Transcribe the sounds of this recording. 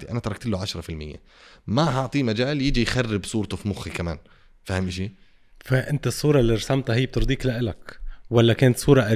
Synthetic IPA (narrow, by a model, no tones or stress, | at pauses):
iʔa̰nat̪ɑɾˤɑkt̪ɪlːuʕaʃɾˤɑfɪlmɪjːḛ | maɦɑʕt̪ˤiːmad͡ʒaːljɪd͡ʒijxarːɪbsˤuːɾt̪ufimʊxikamaːn | fahɪmʔʃi | faʔɪnt̪asˤːuːɾˤɑlːiɾˤɑsamt̪ɦɪjːb̚t̪ɨɾˤd̪ˤiːklaʔɪlakwalːakeːnat̪sˤuːɾˤɑʔa